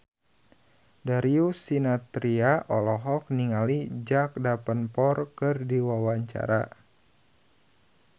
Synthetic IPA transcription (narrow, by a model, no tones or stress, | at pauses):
daɾiusinat̪ɾiaʔɔlɔɦɔk̚niŋalid͡ʒak̚dapənpɔrkərdiwawaɲt͡ʃa̰ɾa